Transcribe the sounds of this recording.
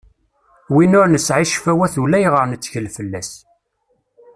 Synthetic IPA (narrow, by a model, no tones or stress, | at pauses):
winʊɾnəsʕiʃfæwæθulæjʁəɾnət͡sːçəlfəlːæs